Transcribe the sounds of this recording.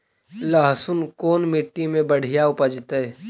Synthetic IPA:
laɦsʊnkoːnmɪʈːimẽbəɽ̤ijaʊpəd͡ʒt̪eː

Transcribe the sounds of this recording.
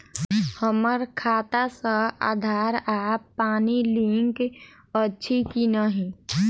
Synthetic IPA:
həməɾkʰaːt̪asəa̰ːd̪ʱaːɾapaːnilĩŋk | ətːʃʰikinəɦĩ

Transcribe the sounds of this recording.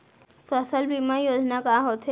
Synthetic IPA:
fəsəlbimajoːd͡ʒnakaɦot̪ɦe

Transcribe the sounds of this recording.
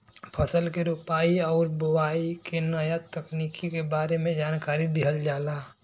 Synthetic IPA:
pʰəsəlkeɾupaːiɔːɾbəwaːikenəjat̪əkniːkikebaːɾemẽd͡ʒaːnkaːɾid̪ɪɦəld͡ʒaːlaː

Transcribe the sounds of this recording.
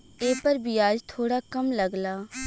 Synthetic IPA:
eːpɐɾbʱiaːd͡ʒt̪ʰoːɽakɐmlɐɡlaː

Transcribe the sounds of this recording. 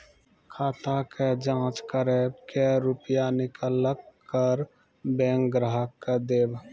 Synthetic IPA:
kʰaːt̪aked͡ʒãːt͡ʃkəɾebkeɾupjanɪkələkːəɾ | bẽːŋkɡɾaɦəkːəd̪eːb

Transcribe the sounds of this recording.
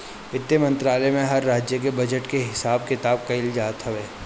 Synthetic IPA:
ɪt̪ːjəmɐ̃nt̪ɾaːlemẽɦɐɾːaːd͡ʒjək̬ebɐd͡ʒəʈkeɦɪsaːb̚kɪt̪aːb̚kɐɪld͡ʒaːt̪ɦɛʋeː

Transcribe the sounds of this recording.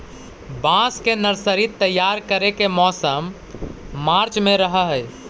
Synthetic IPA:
bãskenəɾsəɾit̪ːəjaɾkəɾekemɔsəmː | aɾt͡ʃmeɾəɦəɦəj

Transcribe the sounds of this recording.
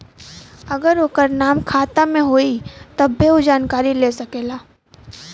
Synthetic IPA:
ɐɡəɾokəɾnaːmkʰaːt̪amẽɦoːit̪ɐbːeod͡ʒaːnkaːɾileːsɐkeːlaː

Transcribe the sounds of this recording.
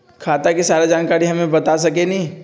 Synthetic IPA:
kʰaːt̪akesaːɾed͡ʒaːnkaːɾiɦɐmẽbɐt̪as̬ɐk̬enɐĩ

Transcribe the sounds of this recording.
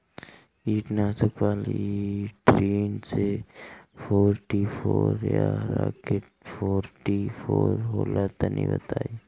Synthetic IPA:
iːʈnaːsəkpaːl | ʈɾeːnse | fʰoːɾʈipʰoːɾjaɾakeʈ̚fʰoːɾʈifʰoːɾɦoːlat̪anḭ̃bə̰t̪aːi

